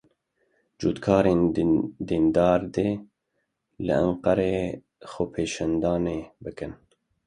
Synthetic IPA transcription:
d͡ʒuːt̪kʰɑːɾeːnd̪iːnd̪ɑːɾd̪eː | lɨ̰ʔa̰ɴqɑɾeː | xopʰeːʃand̪ɑːneːbɨkɨn

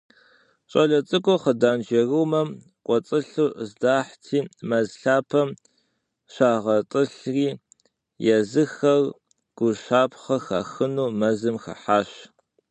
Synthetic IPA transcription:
ɕʼɐɮɐt͡sʼɨkʷʼɔχədaːnd͡ʒɐruːmɐm | qʷʼɔt͡sʼɨɬuːzdaːħtʰiːmɐzɬaːpʰɐm | ɕaːʁɐt͡sʼɨɬriː | jɛzɨxɐr | ɡ̥ʷʊʃaːpʰχɐxa̰xɨnuːmɐzɨmxɐ̰ħaːɕ

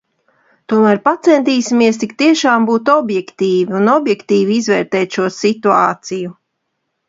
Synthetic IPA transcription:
t̪uɔmæːɾpat̪sɛnt̪iːsimiɛst̪ikt̪iɛʃaːmbuːt̪ɔbjɛkt̪iːviunɔbjɛkt̪iːviizvɛːɾt̪ɛːt̪ʃuɔsit̪ua̰ːt̪siju

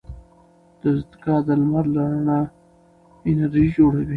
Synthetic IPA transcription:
d̪̥əzt̪ɪkɑd̪əlmaɾlaɾəɳa | ɪnaɾid͡ʒoɽawi

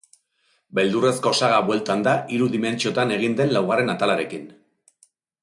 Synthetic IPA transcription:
be̞ld̪ure̞sko̞saɣaβwe̞lt̪and̪aʔiɾuðime̞nt͡ʃio̞t̪ane̞ɣ̞ind̪e̞nlawɣ̞are̞nat̪alaɾe̞kin

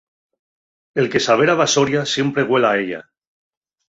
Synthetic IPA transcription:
elkesaβ̞eɾaβasoɾjasje̞mpɾeɣwelaeʎa̰

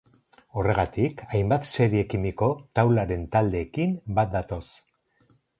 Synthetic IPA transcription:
o̞re̞ɣat̪ikajmbat̪se̞ɾiekimiko̞t̪awlaɾe̞nt̪ald̪e̞ːkimbat̪̚d̪at̪o̞s

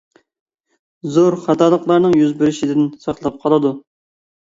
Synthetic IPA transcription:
zoɾχɑt̪ʰɑːlˠəqlˠɑɾnɨŋjyzbɪɾɪʃid̪ɪnsɑχlˠɑp̚qʰɑlˠɨd̪u

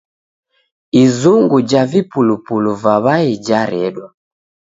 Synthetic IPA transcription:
izuŋɡud͡ʒavipulupuluvaβaid͡ʒaɾɛɗwa

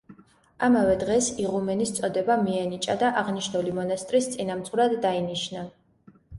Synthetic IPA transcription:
amavɛd̪ʁɛsiʁumɛnist̪sʼɔd̪ɛbamiɛnit͡ʃʼad̪aʔaʁniʃnulimɔnast̪ʼɾist̪sʼinamt̪sʼuɾad̪ːainiʃna

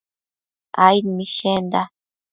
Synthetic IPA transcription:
ajnmiʃend̪a

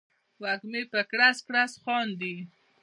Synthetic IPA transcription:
wakmepəkɽaskɽasxɑnd̪i

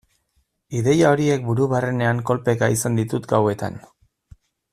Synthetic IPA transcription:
iðe̞jao̞ɾie̞k̚buɾuβarene̞aŋko̞lpe̞kaisand̪it̪ut̪ɡawe̞t̪a̰n

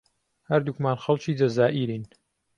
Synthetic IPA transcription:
hɐɾd̪ukmaːnxɐlt͡ʃiːd͡ʒɐzaːʔiɾiːn

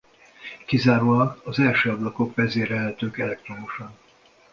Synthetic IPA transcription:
kizaːɾoːlɒkɒzɛlʃøːɒblɒko̞kʋɛzeːɾɛlɦɛt̪øːkɛlɛk̚t̪ro̞muʃɒn

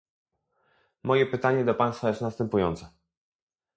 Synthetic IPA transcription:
mɔjɛpɘt̪aɲɛd̪ɔpaj̃st̪fajɛst̪nast̪ɛmpujɔnt̪sɛ

